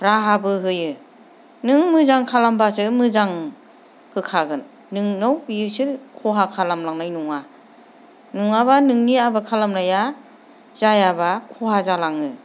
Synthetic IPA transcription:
ɾaɦabɯɦɯjɯ | nɯŋmɯzaŋkʰalambasɯmɯzaŋ | hɯkʰaɡɯnː | ɯŋnawbiɯsɯɾkʰɔɦakʰalamlaŋnajnuŋa | nuŋaβanɯŋniabakʰalamnaja | z̥ajabakʰɔɦazalaŋɯ

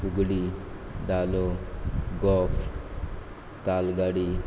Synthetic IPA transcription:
uɡɽid̪aloɡɔf | t̪alɡaɽi

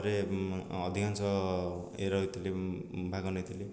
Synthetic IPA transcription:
ɾeʌd̪ʱikant͡sʌ | eɾʌjt̪ilebʱaɡʌnʌjt̪ile

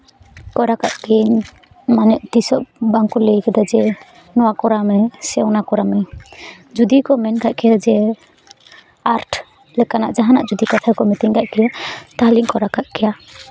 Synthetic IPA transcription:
kɔɾakaʔt̪iɲ | manɛʔt̪isɔʔbaŋkulɛjkɛd̪ad͡ʒɛ | nɔwakɔɾamɛsɛwnakɔɾamɛ | d͡ʒud̪ikɔmɛnkaʔkɛjad͡ʒɛ | aɾʈʰ | lɛkanaʔd͡ʒaɦanaʔd͡ʒud̪ikat̪ʰajkɔmɛt̪iɲkaʔkɛjat̪aliŋkɔɾakaʔkɛja

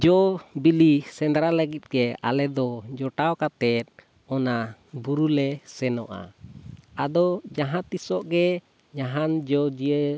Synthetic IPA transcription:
d͡ʒɔbilisɛnd̪ɾaləɡit̪̚ˀɡɛa̰lɛd̪ɔd͡ʒɔʈawkat̪ɛt̪̚ | ɔnabuɾulɛsɛnɔʔa̰ | ad̪ɔd͡ʒaɦãt̪isɔʔɡɛ | ɲaɦand͡ʒɔd͡ʒiə

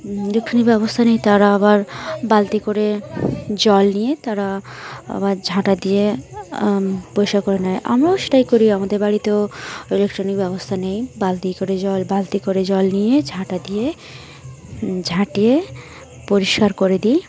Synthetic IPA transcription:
ilekʈɾonik̚bɔbost̪ʰanejt̪aɾaabaɾbalt̪ikoɾe | d͡ʑɔlnijet̪aɾaa̰baɾd͡ʑʱaʈad̪ije | pojʃakoɾenɛjʔa̰mɾase̥ʈajkoɾiamad̪eɾbaɽit̪eilek̚ʈɾonik̚bɔbost̪ʰanejbalt̪ikoɾed͡ʑɔlbalt̪ikoɾed͡ʑɔlnijed͡ʑʱãʈad̪ije | d͡ʑʱaʈije | poɾiʃkaɾkoɾed̪ij

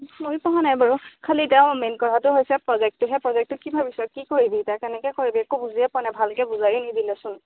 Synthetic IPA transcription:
mojpɔɦanajbaɹukʰalitɛʊ̃mɛnkɔɹatʊɦojsɛpɹɔzɛk̚tʊɦɛpɹɔzɛk̚tʊkibʱabisɔkikoɹibitakɛnɛkɛkoɹibiɛkubuziɛpɔnɛbʱalkɛbuzaɹinidilɛsʊn

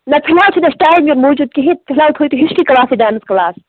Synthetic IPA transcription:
nɐp̪ʰɐlaːwt͡ʃʰunɐsʈaːjmɡɐɾmoːd͡ʒuːd̪̚kiɦet̪̚p̪ʰɪlaːwt̪ʰoːjt̪uɦiʃkikɐlaːsidaːnɨskɐlaːs

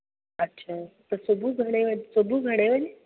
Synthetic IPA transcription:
ətːɕʰat̪əɾsobʱuɡʱəɽ̃eʋədsobuːɡʱəɽ̃eʋəle

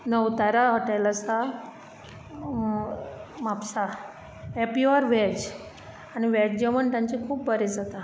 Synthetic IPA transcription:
nəwt̪aɾaɦəʈajlasa | mapsa | epiɔɾʋɛd͡ʑ | añiʋɛd͡ʑd͡ʑeʋənt̪ãɲt͡ɕikʰuːp̚bəɾed͡zat̪a

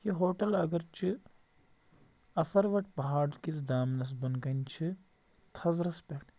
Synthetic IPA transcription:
jiɦoːʈɐlɐɡɐɾt͡ʃɨ | ɐfɐɾʋɐʈpɐɦaːɽkis̬d̪aːmnɐs̬bɐnkɐnt͡ʃʰi | t̪ʰɐzɾɐspʲeːʈ

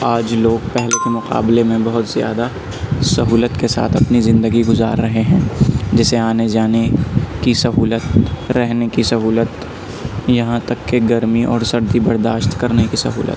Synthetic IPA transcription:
aːd͡ʒloːɡpɛɦlekemʊqa̰ːblemẽbɐɦʊt̪z̥ɪja̰ːd̪a | sɐɦuːlət̪kesa̰ːt̪ʰɐpnizɪ̃nd̪əɡiɡʊza̰ːɾːɐɦeɦɛ̃ːd͡ʒɪseaːned͡ʒaːnekisɐɦuːlət̪ɾɛɦnekisɐɦuːlət̪ | jɐɦãt̪ɐkːeɡɐɾmiʔɔːɾsɐɾd̪ibɐɾd̪aːʃt̪kɐɾnekisɐ̰ɦṵːlə̰t̪

